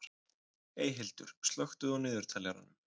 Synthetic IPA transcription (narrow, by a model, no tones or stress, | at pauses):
eːjɦɪlt̪ʏ̰ɾ̥st̪lœxt̪ʏðɔwnɪːðʏɾ̥t̪ʰalɛɾa̰nʏm